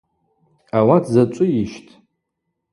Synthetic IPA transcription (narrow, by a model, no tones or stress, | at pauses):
awatʰzat͡ʃʷʼʊjiʃtʰʼ